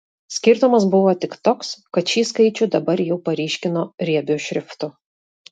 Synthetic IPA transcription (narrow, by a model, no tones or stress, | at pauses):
sʲkʲɪɾt̪ʊmɐsbʊʋoːt̪ʲɪkt̪oːkskɐt̪ʃʲiːskɐɪt͡ʃʲʊd̪ɐbɐɾjɛʊpɐɾʲiːʃʲkʲɪnoːɾʲiɛbʲʊʃʲɾʲɪft̪ʊ